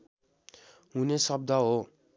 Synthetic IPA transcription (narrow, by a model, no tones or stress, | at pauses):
ɦunesʌb̚d̪ʱʌɦo